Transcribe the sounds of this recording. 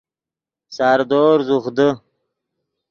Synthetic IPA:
sɑːɾd̪oːɾzuχd̪ə

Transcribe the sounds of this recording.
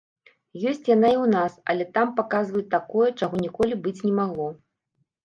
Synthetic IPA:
jɔsʲt͡sʲjanaiwnasɐ̰lʲɛt̪ampakazvɐjɛt̪ːakɔjɛt͡ʂaɣɔnʲikɔlʲibɨt͡sʲnʲɛmaɣlˠɔ

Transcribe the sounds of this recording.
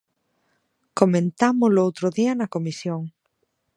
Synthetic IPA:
komẽnt̪amʊlʊowt̪ɾʊðiɐnɐkomisjoŋ

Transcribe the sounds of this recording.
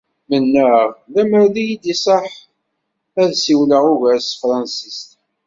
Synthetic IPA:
mənːəʁlæməɾlijid̪isˤəħ | æðsiwləʁʊʝæsfɾˤɑnsist̪

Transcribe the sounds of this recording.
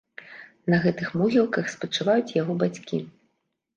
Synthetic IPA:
nɐɣɛt̪ɨxmɔɣʲilˠkɐxspɐt͡ʂɨvajut͡sʲjaɣɔbat͡sʲkʲḭ

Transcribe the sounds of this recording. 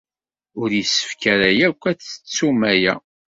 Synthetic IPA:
ʊɾjisə̥fkæɾæjækʷːæt͡sə̥t͡sːumæjæ

